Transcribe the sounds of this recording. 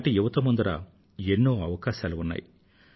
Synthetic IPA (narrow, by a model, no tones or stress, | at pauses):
ʈijuʋɐt̪ɐmund̪ɐɾa̰ | enːoːɐʋɐkaːʃaːluunːa̰ːji